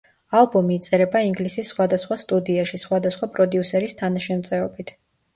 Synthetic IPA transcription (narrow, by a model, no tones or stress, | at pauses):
alˠbɔmiːt̪sʼɛɾɛbaiŋɡlisisːχwad̪asχwast̪ʼud̪iaʃisχwad̪asχwapʼɾɔd̪iusɛɾist̪ʰanaʃɛmt̪sʼɛɔbit̪ʰ